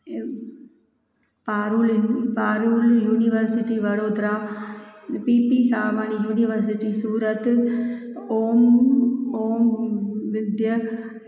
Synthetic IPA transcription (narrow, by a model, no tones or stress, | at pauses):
paːɾuːlinpaːɾuːljuːnɪʋɐɾsɪʈːiʋɐɾoːd̪ɾaː | piːpisaːmaːnijuːnɪʋɐɾs̬ɪʈːisuːɾɐt̪ː | oːm | oːmʋɪd̪jɐ